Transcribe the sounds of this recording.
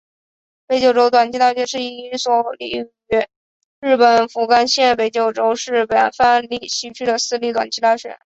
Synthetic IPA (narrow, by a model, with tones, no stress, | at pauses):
pe˧˥ɪt͡ɕjo˨˩ʊʈ͡ʂo˥ʊt̪wa˨˩nt͡ɕʰi˧˥t̪a˥˩ɕɥɛ˧˥nʂɻ̩˥˩i˧˥˧swɔ˧˥˩li˧˩ | y˧˥ | ɻɻ̩˥˩pə˨˩nfu˧˥ka˥nɕjɛ˥˩pe˨˩ɪt͡ɕjo˨˩ʊʈ͡ʂo˥ʊʂɻ̩˥˩pə˨˩nfa˥˧nli˥˩ɕi˧˥t͡ɕʰy˥˩d̪ə˨sɹ̩˥li˥˩t̪wa˨˩nt͡ɕʰi˥t̪a˥˩ɕɥɛ̰˧˥˦n